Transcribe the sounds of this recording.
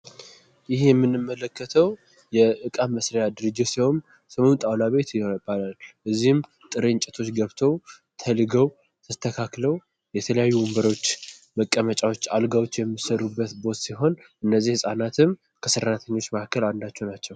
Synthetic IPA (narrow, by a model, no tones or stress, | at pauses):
jɪhjɛmːɨnːɨmːələkːət̪ʰəw | jɛʔɨkʼaməsɾəjad̪ɨɾɨd͡ʒːɪt̪siwom | səmont̪ʼawlaβe̞t̪balalʔɨzːihɨm | t̪ʼɨɾɨɲt͡ʃʼɛt̪ʰo̞t͡ʃːɡəβt̪ʰow | t̪ʰəlɨɡəw | t̪ʰəst̪ʰəkʰakləw | jɛt̪ʰələjajːuwumbəɾo̞t͡ʃːməkʼːəmət͡ʃʼawo̞t͡ʃːalɡawo̞t͡ʃːjɛmːɨsəɾubːət̪bo̞t̪siɦo̞n | ʔɨnːəzːihɨsʼanat̪ʰɨm | kʰəsɨɾːat̪ʰəɲːo̞t͡ʃːmakʰːəland̪at͡ʃːɛnat͡ʃːɛw